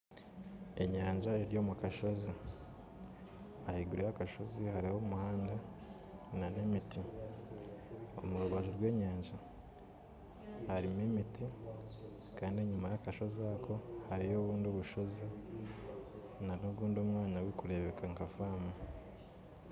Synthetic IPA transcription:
e̞ɲaːɲʒaeɾijo̞ːmukaʃo̞zi | ahiɡuɾejakaʃo̞zihaɾiho̞muhaːnda | nane̞miti | o̞̰muɾuβaʒoɾɡwe̞ːɲaːɲʒa | haɾimemiti | kaːndieɲumajakaʃo̞zakʰo̞haɾijo̞ːβuːnduβuʃo̞zi | nanoɡuːndomŋaːɲawekuɾe̞βe̞kʰaŋkafaːma

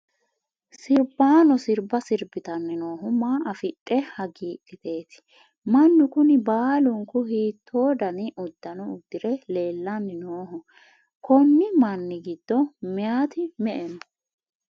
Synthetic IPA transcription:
sɪɾbaːnɔsɪɾbɐsɪɾbɪt̪ɐnːɪnoːɦʊmaːʔɐfɪtʼːɛhɐɡiːʔʼɪt̪e̞ːt̪ɪ̥ | mɐnːʊkʊnɪbaːlʊŋkʊhiːt̪ʰːoːd̪ɐnɪʔʊd̪ːɐnɔʊd̪ːɪɾɛle̞ːlːɐnːɪnoːɦʊ | kʰɔnːɪmɐnːɪɡɪd̪̥ːɔmɪjaːt̪ɪmɛʔɛnɔ

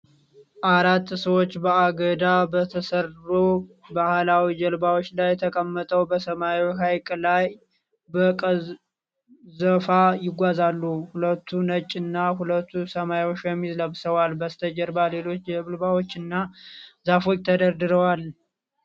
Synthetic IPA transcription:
ʔaɾat̪ːsəwot͡ʃːbəaɡəd̪abət̪ʰəsərːobahlawid͡ʒəlbawo̞t͡ʃːlajːɛt̪ʰəkʼəmːət̪ʼəwbəsəmajɦajkʼlaj | bəkʼə | zəfajɪɡʷazalːuhulət̪ʰːunət͡ʃʼːɪnːaɦulət̪ːusəmawot͡ʃːjɛmːizləβsəwalbəst̪ʰəd͡ʒəɾbale̞lo̞t͡ʃːd͡ʒɛβɨlbawot͡ʃːɨnːazafo̞t͡ʃːt̪ʰəd̪əɾd̪ɨɾəwal

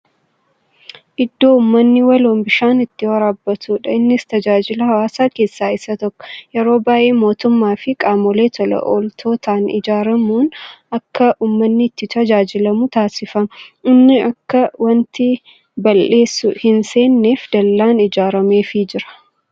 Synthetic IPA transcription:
ʔɪd̪ːo̞ːʊmːɐnːɪwɐloːmbɪʃaːnɪt̪ːɪwɐɾaːbːɐt̪uːᶑɐɪnːɪst̪ɐd͡ʒaːd͡ʒɪlɐɦɐwaːsaːke̞ːsːaːɪsɐt̪ɔkːɔ̥jɛɾo̞ːbaːʔeːmo̞ːt̪ʊmːaːfɪkʼaːmɔleːt̪ʰɔlɐ̰ʔo̰ːlt̪ʰo̞ːt̪ʰaːnɪ̰d͡ʒaːɾɐmuːnɐkːɐʔuːmːɐnːɪːt̪ːɪt̪ɐd͡ʒaːd͡ʒɪlɐmʊt̪aːsɪfɐmɐɪnːɪʔɐkːɐwɐnt̪ɪ | bɐlʔe̞ːsːʊhɪnse̞ːnːeːfd̪̥ɐlːaːnɪd͡ʒaːɾɐme̞ːfɪd͡ʒɪɾɐ̥

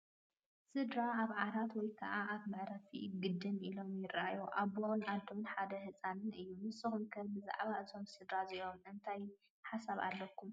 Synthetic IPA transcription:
sɨd̪ɾaaβʕaɾat̪wɔjkʰɐʔaaβmɨʕɾɐfḭɡɨd̪ːɨnilo̞mjɪrːaajoʔaβonad̪ːonħad̪ɐhɨt͡sʼanɨnʔɨjːumɨsɨxunkʰɐβbɨza̰ʕβaʔɨt̪ʰo̞msɨd̪ɾaziomʔɨnt̪ʰaj | ħasaβa̰lːɐkʰːum

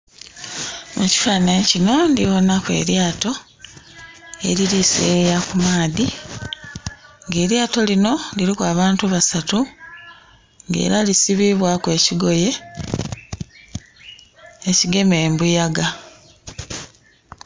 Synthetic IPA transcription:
muci̥faːneɲcino̞ndiβo̞nakwe̞̰ːɾjaːto̞ | e̞̰ɾiɾisejakumaːði | ŋɡe̞ːɾjaːto̞lino̞liɾikwaːβaːntuβasatu | ŋɡe̞̰ːɾalisiβiβwakwe̞ːciɡo̞je̞ | ciɡe̞me̞ːmbujaɡa

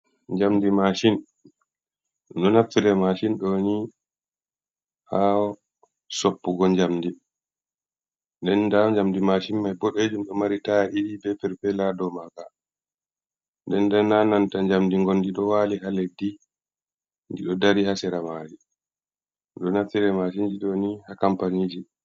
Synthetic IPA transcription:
ɲd͡ʒamdimaʃin | ɗɔnafilɛmaʃinɗɔwni | haɔ | sɔpːuɡɔɲd͡ʒamdi | ndɛndaɲd͡ʒamdimaʃinmajboɗed͡ʒumɗɔmaɾitaɗiɗibɛpɛɾpɛladɔmaɡa | ndɛndɛnːanantaɲd͡ʒamdiŋɡondiɗɔwaːlihaledːi | ndiɗɔdaɾihasɛɾamaːɾi | ɗɔnafiɾɛmaʃind͡ʒiɗonihakampaniːd͡ʒi

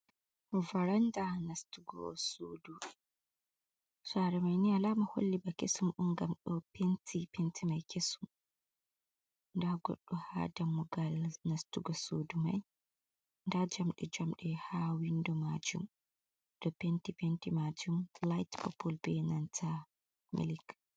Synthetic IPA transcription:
vaɾandanastuɡɔ̰soːdu | saɾɛmajnialaːmaho̰lːibakesumʔuŋɡamɗɔpentʰipentʰimajkesum | ndaɡɔ̰ɗːɔha̰damːuɡalnastuɡɔsoduma̰j | ndad͡ʒamɗɛd͡ʒamɗɛhawindɔmad͡ʒum | dɔpentipentimad͡ʒumlajtpɔpʰɔlbɛnantʰa | mḭlik

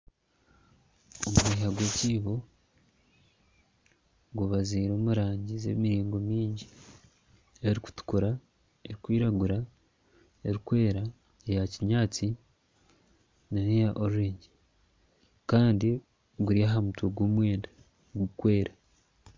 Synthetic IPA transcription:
omuɡeːɦaɡweːciːβo̞ | ɡuβaziːɾo̞ːmuɾaːɲɟizḛmiɾiːŋɡo̞miːɲɟi | eɾiku̥tu̥kuɾa | e̞ɾikwiːɾaɡuɾa | eɾikwe̞ːɾa | ejaciɲaːt͡si | nanejaʔoɾuɾeːɲɟe | kaːndi | ɡuɾiaɦamutweɡwoːmwe̞ːnda | ɡukwe̞ːɾa

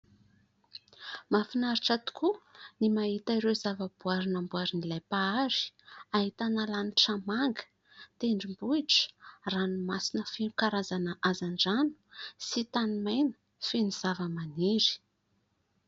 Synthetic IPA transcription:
mafinaɾiʈ͡ʂat̪u̥kʰunimaɦit̪əiɾezavəb̥uaɾinambuaɾinilajpaaɾi̥aɦit̪analaniʈ͡ʂamaŋɡə̥ | t̪eɳɖ͡ʐimbuiʈ͡ʂə̥ranimasinəfinukaɾazanəʔazaɳɖ͡ʐanu̥sit̪animajnə̥ | finiz̥avəmaniɾi̥

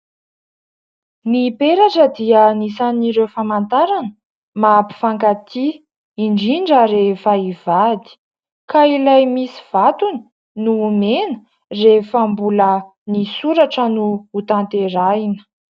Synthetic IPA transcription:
nipeɾaʈ͡ʂəd̪iənisaniɾewfamant̪aɾanə | mapi̥faŋkat̪i | iɳɖ͡ʐiɳɖ͡ʐəɾefaiv̥ad̪i̥ | kailajmisi̥v̥at̪unə̥ | numenə̥ | refambulə | nisuɾaʈ͡ʂənuːt̪ant̪eɾainə̥

